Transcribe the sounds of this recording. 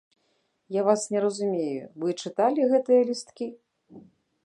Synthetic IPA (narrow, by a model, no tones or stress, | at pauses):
javasnʲɛɾɐzumʲejṵvɨt͡ʂɨt̪alʲiɣɛt̪ɨjɐlʲist̪kʲi